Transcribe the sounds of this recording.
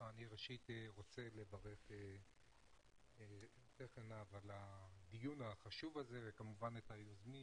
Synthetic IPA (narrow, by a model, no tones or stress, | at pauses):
aniʁeʃiteʁo̞t͡se̞le̞vaʁe̞χe | t̪eχenavalad̪ijunhaχaʃuvaze̞vekamuvanetajozmi